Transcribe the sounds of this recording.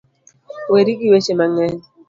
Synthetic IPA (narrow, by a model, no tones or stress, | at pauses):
weɾiɡiwet͡ʃemaŋɛɲ